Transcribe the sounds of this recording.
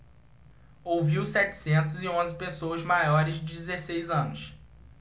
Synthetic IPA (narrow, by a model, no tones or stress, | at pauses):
owviwsɛt͡ʃɪ̥sẽnt̪̬ʊzɪõzɪpesowɐzmajɔɾɪzd͡ʒɪd͡ʒɪzesejzɐ̃nʊs